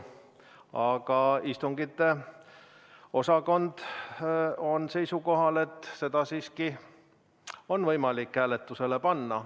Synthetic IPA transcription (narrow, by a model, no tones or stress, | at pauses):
ɑɡ̥ɑist̪uŋɡ̥it̪ːˑe̞ | o̞sɑko̞nd̪̥ | o̞nse̞jsuko̞ɦɑle̞t̪ːˑse̞d̪̥ɑsiːski | o̞nvɤjmɑlikːæːle̞t̪ˑːuse̞lepɑnːɑ